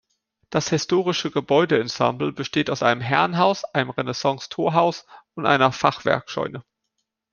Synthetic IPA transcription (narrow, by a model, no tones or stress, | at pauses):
d̥ashɪstoːʁɪʃəɡəbɔʏdəɛnsã̰mbl̩bəʃteːtaʊsʔa̰ɪnəmɦɛɐnɦaʊsʔaɪnəmʁɛnɛsɑ̃ŋstʰoːɐɦaʊsʊntʔa̰ɪnɐfaχv̥ɛ̰ɐkʃɔ̰ʏnə